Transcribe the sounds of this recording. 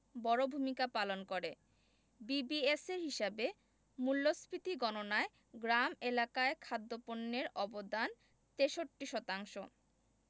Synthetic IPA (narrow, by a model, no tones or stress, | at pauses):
bɔɾobʱumikapalonkoɾe | bibieseɾɦiʃabe | mulːospɾit̪iɡɔnonae | ɡɾamelakaekʰad̪ːoponːeɾɔbod̪an | t̪eʃoʈːiʃɔt̪aŋʃo